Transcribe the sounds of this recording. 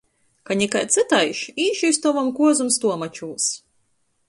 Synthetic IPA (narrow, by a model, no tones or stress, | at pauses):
kanʲikajt̪sɨt̪ajʃiːʃist̪ɔvɔmkuɔzumst̪uɔmat͡ʃuːs